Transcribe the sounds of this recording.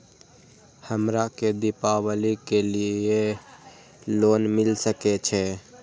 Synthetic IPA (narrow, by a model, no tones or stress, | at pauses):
həmɾaked̪ɪpawəlikelie | loːnmɪlsəket͡ʃʰɛ